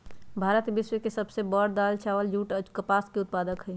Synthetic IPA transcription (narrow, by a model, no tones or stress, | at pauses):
bʱaːɾət̪bɪswekesɐbsebɔːɽd̪aːlt͡ʃaːʋəld͡ʒuːʈəkəpaːskeʊt̪̚paːd̪əkɦɛi